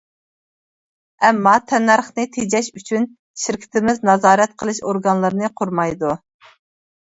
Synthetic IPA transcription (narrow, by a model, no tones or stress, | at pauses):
ɛmːɑt̪ʰɛnːɑɾχnɨt̪ʰed͡ʒɛʃyt͡ʃʰyn | ʃiɾkʲʰɪ̥t̪ɪmɪznɑzɑːɾɛt̪̚qʰəlˠɨʃoɾɡɑnlˠɨɾɨnɨqʰʊɾmɑjd̪u